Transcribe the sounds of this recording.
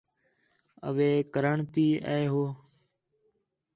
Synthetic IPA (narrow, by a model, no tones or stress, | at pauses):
ə̰ʋeːkəɾəɳt̪iːʔɛːeɦoː